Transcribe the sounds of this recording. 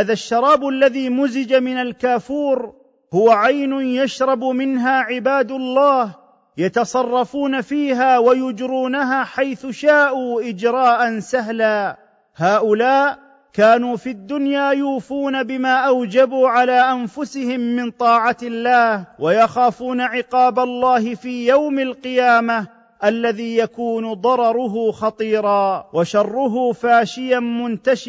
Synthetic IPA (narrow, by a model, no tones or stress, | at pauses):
aːðaʃːɑɾˤɑːbʔalːaðiːmʊzɪd͡ʒamɪnalkaːfuːɾ | hʊwaʕajnʊnjaʃɾˤɑbmɪnɦaːʕɪbaːd̪ʊlˤːɑːh | jat̪ɑsˤɑrˤːɑfuːnafiːɦaːwajʊd͡ʒɾuːnaɦaːħajθʊʃaːʔuːʔɪd͡ʒɾˤɑːʔansaɦlaː | haːʔʊlaːʔ | kaːnuːfiad̪ːʊnjaːjuːfuːnabɪmaːʔawd͡ʒabuːʕalaːʔanfʊsɪhɪmːɪnt̪ˤɑːʕaɪlːaːhwajɑxaːfuːnaʕɪqɑːbalˤːɑːhɪfiːjawmalqɨjaːma | ʔalːaðiːjakuːnʊd̪ˤɑɾˤɑɾˤʊɦʊxɑt̪ˤiːɾˤɑːwʔaʃɑrˤːʊɦʊːfaːʃɪjanmʊnt̪aʃ